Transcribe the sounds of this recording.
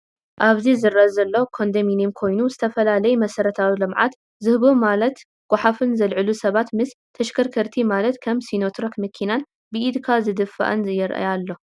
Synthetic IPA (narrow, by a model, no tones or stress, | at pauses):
ʔaβzizɨɾʔɐzɐlːo̞kʰo̞nd̪ɐminimkʰo̞jnuzɨt̪ʰɐfɐlalɐjumɐsɐɾɐt̪ʰawilɨmʕa̰t̪ | zɨhβomalɐt̪ | ɡ̥ʷaħafɨnzɐlʕɨlusɐβat̪mɨst̪ʰːɐʃkʰɐɾkʰɐɾt̪ʰimalɐt̪kʰɐmsinot̪ʰɾokmɨkʰːinan | bɨid̪kʰazɨd̪ɨfa̰ʔɐnzɐjːɛɾʔa̰jalːo̞